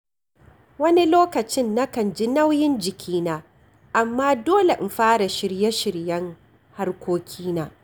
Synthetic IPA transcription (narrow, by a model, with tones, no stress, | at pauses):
wɐ˦ni˦loː˦kɐ˨t͡ʃɪ˦nːa˦kɐ˨nd͡ʒi˦nɐ˦wjɪ˦nd͡ʒɪ˨kʲʰiː˦naː˨ | ʔa˨mːaː˦doː˦le˨ʔɪ˨mɸaː˦ɽa˨ʃɪ˨ɾjɛ˦ʃɪ˨ɾjɐ˦ŋ | ha˦rkʷoː˦kʲʰiː˦naː˨